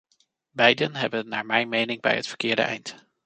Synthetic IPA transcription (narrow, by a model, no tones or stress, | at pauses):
bɛjdənɦɛbənːaːɹmɛjnmejnɪŋbɛ̰jətfə̥ɹkɪːɹdə̰ʔɛ̰jnt